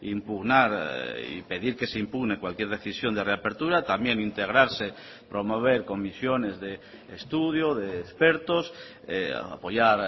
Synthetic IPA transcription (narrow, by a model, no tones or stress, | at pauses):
impuɣnaɾḭpe̞ðiɾkeseimpuɣnekwalkje̞ɾð̞e̞θisjo̞nd̪ereapeɾt̪uɾat̪amjenint̪eɣ̞ɾaɾse | pɾomoβ̞eɾko̞misjonezðeː | st̪uð̞joðeːspeɾt̪os | ḛa̰a̰po̞ʝaɾ